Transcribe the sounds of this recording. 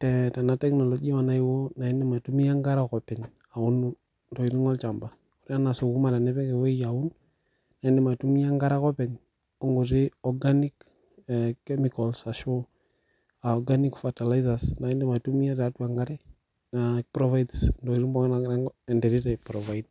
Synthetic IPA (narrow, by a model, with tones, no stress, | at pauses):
tɛ˨ta˨na˦tɛ˦knɔ˨lɔ˨d͡ʒi˦wa˨na˦i˦wo˦na˨i˦ndɛ˦ma˨tu˦mi˦a˦ŋɡa˦ɾa˦kɔ˨pɛ˨ɲ | a˨u˦n | dɔ˨i˨ɾi˦ŋɔ˦lt͡ʃa˨mba˨ | u˨ɾi˦a˦na˨so˨ku˦ma˨ɾa˨nɛ˦pɛ˦kɛ˨we˦ja˨u˦n | na˨i˦ndɛ˨ma˨tu˦mi˦a˦ŋɡa˦ɾa˦kɔ˦pɛ˨ɲ | o˦ŋɡu˨ti˦ɔ˨ɡa˦ni˦kː | kːɛ˦mi˨kɔlsa˨ʃɔ˦ | a˨ɔ˨ɡa˦ni˦kfata˨la˦iza˨sna˨i˦ndɛ˦ma˨tu˦mi˦ja˦ta˦tu˦a˨ŋɡa˦ɾɛ˦ | napɾɔ˦va˦jdsndɔ˨i˨ɾi˦mbɔ˦ŋna˦ɛ˨ndɛ˨ɾi˦tɛ˨pɾɔva˦id̚